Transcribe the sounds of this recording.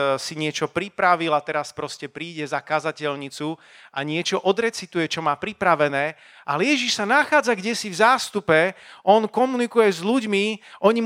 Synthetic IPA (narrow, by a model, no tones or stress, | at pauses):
siɲɪɛt͡ʃɔpɾipɾaʋilat̪ɛɾaspɾɔscɛpɾiːɟɛzakazacɛʎɲit͡su | ʔaɲɪɛt͡ʃɔʔɔd̪ɾɛt͡sit̪ujɛt͡ʃɔmaːpɾipɾaʋɛnɛː | ʔalɛjɛʒiʃsanaxaːd͡zaɡɟɛsivzaːst̪upɛʔɔnkɔmunikujɛzʎuɟmiʔɔɲi